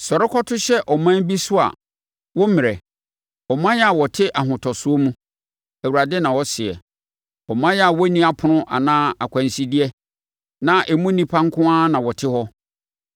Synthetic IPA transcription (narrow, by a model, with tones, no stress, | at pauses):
sɔ˨ɾɪ˦kʰɔ˦tʰʊ˦ɕɛ˦ʔɔ˨mã˦n˦bi˦sʊ˦a̰˨ | wɔ˦mɪ̃˨ɾɛ˨ | ɔ˨mã˦jɛ˦a˨wɔ˨tʰɪ˦ʔa˨ɦʊ̃˨tʰɔ˨sʊ˦o˦mũ˦ | æ˨u˨ɾa˨dɛ˦nã˨wɔ˦sɪ˨ɛ̰˨ | ɔ˨mã˦jɛ˦a˨wɔ˦nĩ˦a˦pʰʊ˨nʊ̃˦ʔa̰˨nãː˦a˨kʷʰã˨n˨si˦di˦ɛ˦ | nã˨ʔɛ˨mũ˦nĩ˦pʰã˦ŋ̩˦kʰʊ̃˦ã˦nã˨wɔ˨tʰɪ˦hɔ˦